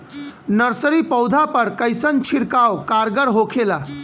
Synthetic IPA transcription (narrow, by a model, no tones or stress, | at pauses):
nəɾsəɾipəwd̪ʱapəɾkəjsənt͡ʃʰiɾkawkaɾɡəɾɦokʰela